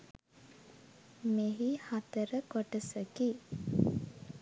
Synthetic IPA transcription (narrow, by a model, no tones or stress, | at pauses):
meɦihat̪əɾəkoʈəsəki